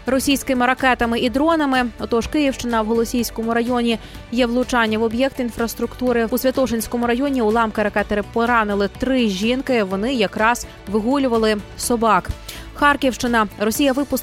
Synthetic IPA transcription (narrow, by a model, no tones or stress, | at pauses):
rɔsʲijsʲkɪmɪɾɐkɛt̪ɐmɪʔid̪ɾɔnɐmɪɔt̪ɔʃkɪjiwʃt͡ʃɪnɐwɦɔlˠɔsʲijsʲkɔmʊɾɐjɔnʲijɛʋlˠʊt͡ʃɑnʲːɐʋɔbjɛk̚t̪infɾɐst̪ɾʊkt̪uɾɪusʲʋʲɐt̪ɔʃenʲsʲkɔmʊɾɐjɔnʲiulˠɑmkɪɾɐkɛt̪eɾɪpɔɾɑnɪlˠɪt̪ɾɪʒʲinkɪʋɔnɪjɐkɾɑz̥ | ʋɪɦulʲʊʋɐlˠɪsɔbɑkxɑrkʲiwʃt͡ʃɪnɐɾɔsʲijɐʋɪpʊs